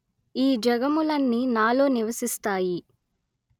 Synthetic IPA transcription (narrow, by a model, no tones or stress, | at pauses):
iːd͡ʒɐɡɐmulɐnːinaːlo̞ːniʋɐsist̪aːji